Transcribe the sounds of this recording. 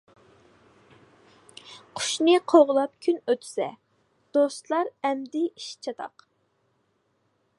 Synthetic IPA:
qʰʊ̥ʃnɨqʰoʁlˠɑp̚kʲʰynøt̪ʰy̥sɛ̰ | d̪̥ost̪lˠɑɾɛmd̪ɪiʃt͡ʃʰɑt̪ʰɑ̰q

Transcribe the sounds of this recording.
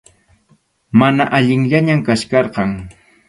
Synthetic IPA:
manaʔaʎɪŋʎaɲamkat͡ʃkɑɾqɑŋ

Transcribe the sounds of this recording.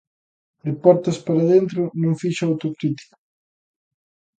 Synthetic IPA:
d̪ɪpɔɾt̪ɐspaɾaðent̪ɾʊnõŋfiʃaawt̪okɾit̪i̥kḁ

